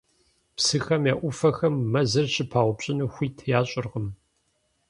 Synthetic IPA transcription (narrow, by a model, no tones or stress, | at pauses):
psɨxɐmjaːʔʷʊfɐxɐmːɐzɨrɕʼɪpʰaːʁʷʊpɕʼɪnɨxʷiːtʰjaːɕʼɪrʁəm